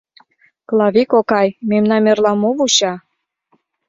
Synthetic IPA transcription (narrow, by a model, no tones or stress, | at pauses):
klɑβikokɑjmemnɑnerlɑmoβuɕɑ